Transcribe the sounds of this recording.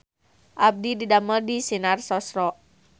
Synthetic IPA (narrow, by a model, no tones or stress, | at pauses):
ʔab̚dididamərdisinarsɔsɾɔ